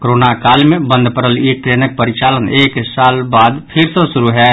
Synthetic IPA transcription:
kɾoːnakaːlmẽbə̃nd̪ʱpəɾəlikɾeːnək̚pəɾɪt͡ʃaːləneːksaːlbaːd̪pʰɪɾsə̃sʊɾuɦɛ

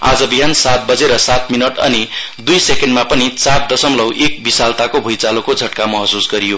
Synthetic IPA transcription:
a̰d͡zʌbiɦansat̪̚bʌd͡zeɾʌsat̪minʌʈʌ̰ni | d̪ujsekeɳɖmapʌnit͡sard̪ʌsʌmlʌwʔek̚bisalt̪akobʱujt͡salokod͡zʱʌʈkamʌɦʌsusɡʌɾijo

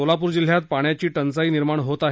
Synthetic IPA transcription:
olapuɾd͡ʑil̤jat̪̚paɳjat͡ɕiːʈənt͡saiːniɾmaɳɦot̪aɦ

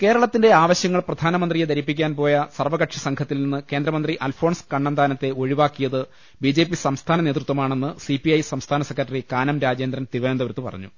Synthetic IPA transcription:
ke̞ːɾɐɭɐt̪ːinde̞aːʋɐɕjɐŋːɐɭprɐd̪ʱaːnɐmɐnd̪rijed̪ɐɾipːikʲːaːnpo̞ːjɐsɐrʋɐɣɐʈʂɐsɐŋkʰɐt̪ːilninːɨke̞ːnd̪ɾɐmɐnd̪riʔɐlfʰo̞ːɳskɐɳːɐnd̪aːnɐt̪ːe̞o̞ɻiʋaːkːijɐðɨ | bid͡ʑe̞ːpːisɐmst̪ʰaːnɐneːt̪rut̪ʋɐmaːɳe̞nːɨsipiɐjsɐmst̪ʰaːnɐsekːɾrɐʈːɐrikaːnɐmɾaːd͡ʑe̞ːnd̪ɾɐnt̪iʋend̪ɐʋɐɾut̪ːɨpɐ̰rɐ̰ɲːṵ

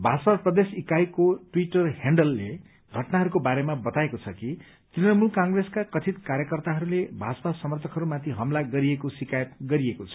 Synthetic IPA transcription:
bʱasʌprʌd̪esikajkoʈwiʈʌrɦeɳɖʌlːe | ɡʱʌʈnaɦʌɾukobaɾemabʌt̪aekot͡sʰʌki | t̪rinʌmulkaŋɡreskakʌt͡sʰit̪kaɾjʌkʌrt̪aɦʌɾulebʱat͡sʌpasʌmʌrt̪ʰʌkɦʌɾumat̪ʰiɦʌmlaɡʌɾiekosikajʌt̪̚ɡʌɾiekot͡sʰʌ̥

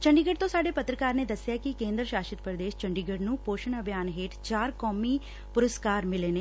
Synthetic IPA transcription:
t͡ʃəɳɖiːɡəɖ̚t̪õːsaːɖeːpət̪ɾəkaːɾneːd̪əsːjaːkɪkẽːnd̪ɾəʃaːʃɪt̪pəɾd̪eːʃt͡ʃəɳɖiːɡəɖnũːpoːʃəɳəbʱjaːnɦeːʈt͡ʃaːɾkɔːmiː | pʊɾəskaːɾmɪleːneː

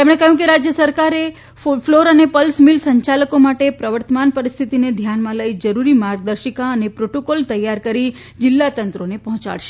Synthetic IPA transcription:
t̪emɳekəɦjũkeɾad͡ʒjəsəɾkaɾe | floɾənepəlsmilsəɲt͡ʃaləkomaʈepɾəʋəɾt̪əmanpəɾist̪ʰit̪ined̪ʱjanmãləid͡ʒəɾuɾimaɾɡ̚d̪əɾʃəkaənepɾoʈokolt̪əjːaɾkəɾi | d͡ʒɪlːat̪ənt̪ɾonepɔɦɔ̃t͡ʃa̰ɭʃe

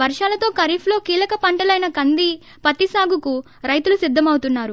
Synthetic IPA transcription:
ʋɐɾʂaːlɐt̪o̞ːkɐɾiːpʰlo̞ːkiːlɐkɐpɐɳʈɐlɐjnɐkɐnd̪i | pɐt̪isaːɡuku | ɾɐjt̪ulusid̪ʱːɐmɐwt̪unːaːɾu

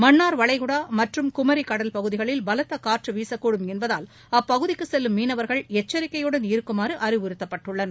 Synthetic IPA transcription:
mɐnːaːɾʋɐɭɐɪɣɯɽaːmɐʈrɯmkʊmɐɾikɐɽɐlpɐɣɯðɪɣɐɭɪlbɐlɐt̪ːɐkaːɾʈrɯʋiːsɐkːuːɽɯmɛnbɐðaːl | ɐpːɐɣɯðɪkːɯsɛlːɯmːiːnɐʋɐɾɣɐɭɛt͡ʃːɐɾɪkːɐjɯɽɐnɪɾɯkːɯmaːɾɯʔɐɾɪʋɯɾɯt̪ːɐpːɐʈːɯɭːɐn

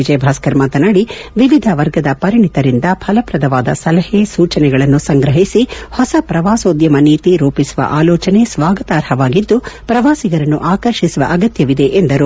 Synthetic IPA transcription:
id͡ʒɐjbʱaːskɐɾmaːt̪ɐnɐɽiʋiʋid̪ʱɐʋɐɾɡɐd̪ɐpɐɾiɳit̪ɐɾind̪ɐpʰɐlɐpɾɐd̪ɐʋaːd̪ɐ̰sɐlɐhesuːt͡ʃɐnɛɡɐɭɐnːusɐŋɡɾɐɦisihɔsɐpɾɐʋaːsoːd̪jɐmɐniːt̪iɾuːpisuʋɐ̰ʔaːlɔːt͡ʃɐne̞sʋaːɡɐt̪aːɾhɐʋaːɡid̪ːupɾɐʋaːsiɡɐɾɐnːuʔaːkɐɾʃisuʋɐ̰ʔɐɡɐt̪jɐʋid̪e̞ʔend̪ɐɾu

